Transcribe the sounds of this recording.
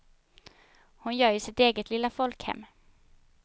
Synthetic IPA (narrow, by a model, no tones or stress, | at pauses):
hʊnjœːɾjɵsɪt̪eːɡət̪ʰlɪlːafɔlkhɛ̰mː